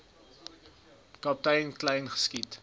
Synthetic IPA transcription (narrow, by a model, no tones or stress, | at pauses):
kɑp̚tɛjnklɛjnχə̥skit